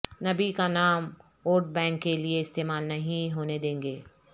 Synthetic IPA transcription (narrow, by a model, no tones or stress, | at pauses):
nɐbikanaːm | oːɾʈ̚bɛ̃ːŋkːelieɪst̪eːmaːlnɐɦĩɦoːned̪ẽːŋɡeː